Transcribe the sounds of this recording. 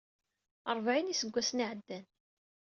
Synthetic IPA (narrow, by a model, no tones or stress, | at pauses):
əɾˤvʕinisəɡʷːæsniʕəd̪ːæn